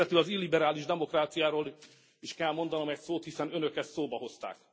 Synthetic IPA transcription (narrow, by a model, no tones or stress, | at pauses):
ɛt̪ylɒzilːibɛɾaːliʒd̪ɛmo̞kraːt̪sijaːɾoːl | iʃkɛlmo̞nd̪ɒno̞mɛcsoːt̪hisɛnønøkɛssoːbɒɦo̞st̪a̰ːk